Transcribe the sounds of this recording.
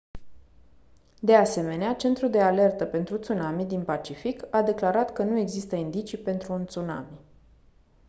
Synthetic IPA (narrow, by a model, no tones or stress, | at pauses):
d̪e̞ase̞me̞neat͡ʃe̞nt̪ɾuld̪e̞ale̞rt̪əpe̞nt̪ɾut̪sunamid̪inpat͡ʃifikad̪e̞klaɾat̪kənue̞ɡzist̪əind̪it͡ʃipe̞nt̪ɾuːnt̪suna̰mi